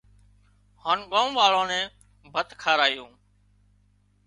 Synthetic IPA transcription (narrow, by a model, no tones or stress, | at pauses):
haːnɠoːmʋaːɭõːnɛ̃ː | bʱət̪kʰaːɾaːjõː